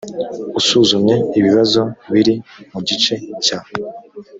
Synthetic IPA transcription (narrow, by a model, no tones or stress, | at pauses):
usuːzumɲe̞iβiβazo̞βiɾimuɟit͡ʃe̞cae